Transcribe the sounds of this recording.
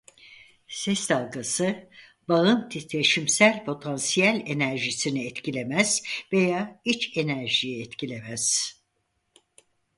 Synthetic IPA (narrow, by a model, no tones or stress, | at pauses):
sɛsd̪alˠɡasɯ | baɯnt̪ʰit̪ʰeʃimsælʲpʰo̞t̪ʰansijælʲenæɾʒisiniɛt̪cilʲe̞mæz̥ve̞jaːit͡ʃe̞næɾʒijɛɛt̪cilʲe̞mæz̥